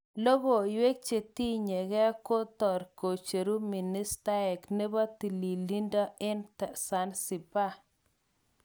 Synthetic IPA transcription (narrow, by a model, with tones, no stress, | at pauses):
lo˦ɡo˨jwe˦k̚t͡ʃe˨t̪i˦ɲe˨ɡɛ˦ko˦t̪ɔ˨ɾko˨t͡ʃe˨ɾu˦mi˨ni˦st̪a˦ɛ˨kne˦ba˦t̪i˨li˨li˦nda˦ɪ˦ntɛ˨sa˦nsi˨pa˦